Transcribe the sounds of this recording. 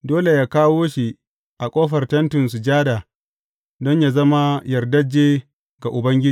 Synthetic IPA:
doː˦le˨jaː˦kaː˦woː˦ʃi˨ | ʔa˨kʷʼoː˦ɸɐ˨rtɐ˦ntɪ˨nsu˨d͡ʒaː˦da˨ | dɔ˦ɲjaː˨zɐ˦ma˦jɐ˨rdɐ˦d͡ʒːeː˦ | ɡ̥a˨ʔʊ˨bɐ˦ŋɡʲɪ˦d͡ʒi˦˨

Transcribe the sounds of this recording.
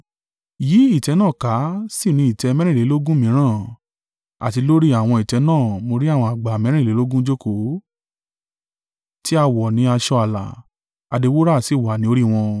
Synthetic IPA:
ji˨˦i˦˨tɛ˨˧˦nãː˦˨ka˨˦si˦˨ɾ̃ĩ˧i˨tɛ˧˦˧mɛ̃˦ɾ̃ĩ˦˨le˨˦lo˦ɡũ˦mĩ˨˦ɾ̃ãː˦˨ | a̰˨ti˨˧˦lo˦ɾi˦a˦˨w̃ɔ̃˧i˨tɛ˨˧˦nãː˦˨mo˧ɾi˦a˦˨w̃ɔ̃˧a˨ɡ͡ba˨mɛ̃˨˦ɾ̃ĩ˦˨le˨˦lo˦ɡũ˦d͡ʒo˦ko˨˦ | ti˦a˧wɔ˨nĩ˨˧˦a˧ʃɔ˧a˨la̰˨ | a˧de˧wo˦ɾa˦˨si˦˨wa˨nĩ˧˦o˧ɾi˦w̃ɔ̃˧

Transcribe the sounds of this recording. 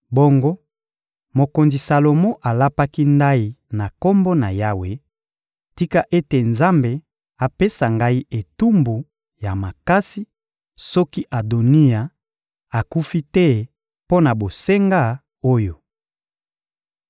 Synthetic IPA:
bo˦ŋɡo˦ | mo˨ko˨nzi˨sa˨lo˨mo˦ʔa˨la˦pa˦ki˦nda˦i˦na˨ko˦mbo˦na˨ja˦we˨ | ti˦ka˦ʔe˦te˨nza˦mbe˨ | a˨pe˦sa˨ŋɡa˦i˦ʔe˨tu˦mbu˨ | ja˨ma˨ka˦si˦ | sɔ˦ki˦ʔa˨do˨ni˦a˨ | a˨ku˦fi˦tɛ˦ | po˦na˨bo˨se˦ŋɡa˦ | o˦jo˨

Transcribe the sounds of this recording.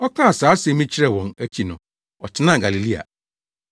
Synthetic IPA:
ɔ˦kʰã˦a˨saː˨˦sɛ˨mĩ˦t͡ɕʰɪ˦ɾɛ˦wɔ̃˨næ˦t͡ɕʰi˨nʊ̃˨ | ɔ˨t͡ɕʰɪ˦nã˦˨ɡa˨li˨li˦a̰˨

